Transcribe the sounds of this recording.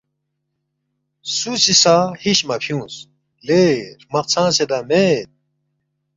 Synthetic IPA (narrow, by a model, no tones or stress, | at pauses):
susisaːhiɕmɐpʰjũːs | leɾmɐq̚t͡sʰãːsed̪ameːt̪̚